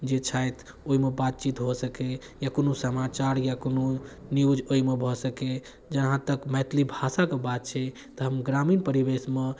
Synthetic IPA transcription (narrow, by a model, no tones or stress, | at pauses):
d͡ʒet͡ʃʰajt̪ʰ | oimebat̪̚t͡ʃit̪ɦosəke | jakonusəmat͡ʃaɾjakononiud͡ʒoimebʱɔsəke | d͡ʒəɦãt̪əkmɛt̪ʰlibʱasakebat̪̚t͡ʃʰɛ | t̪ɔɦəmɡɾaminpəɾibesme